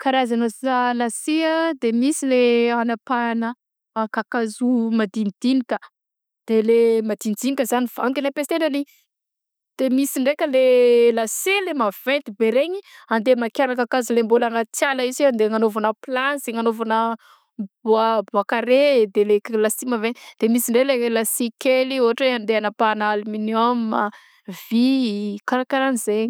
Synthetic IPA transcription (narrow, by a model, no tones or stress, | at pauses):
kaɾazanoalasead̪emisileanapanə | kakazumad̪ind̪̥inikʲə | d̪̥elemad̪ind̪inikəzaniv̥aŋk̪ilepest̪enəli | d̪̥emisiɳɖ͡ʐekʲəlelaselemav̥ent̪ibeɾeɲiand̪emakjaɾakakazilembolaŋat͡s̪jaləiziad̪eŋanovanaplanzeŋanovana | buabuakaɾed̪eleklasimavend̪̥emisiɳɖ͡ʐelelasikelioɦaʈ͡ʂeand̪eanəpanaliminomma | vikaɾakaɾanizeɲi